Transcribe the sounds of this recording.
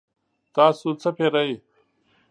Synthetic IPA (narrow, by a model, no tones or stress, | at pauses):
t̪aːsut͡sʰɐpʰeːɾɐi